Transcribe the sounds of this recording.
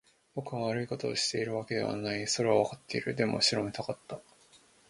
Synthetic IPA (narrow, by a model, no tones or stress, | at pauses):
b̥o̞kɯ̟βaβaɾɯiko̞t̪o̞ːɕi̥t̪e̞iɾɯ̟β̞ake̞d̪e̞β̞a̰naiso̞ɾe̞βaβakat̪ːe̞iɾɯ̟d̪e̞mo̞̰ɕiɾo̞me̞t̪akat̪ːa